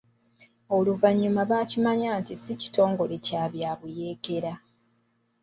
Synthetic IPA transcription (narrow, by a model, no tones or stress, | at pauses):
o̞luvaɲːumaβaːcimaɲaːntisici̥to̞ːŋɡo̞le̞caːβjaːβuje̞ːke̞ɾa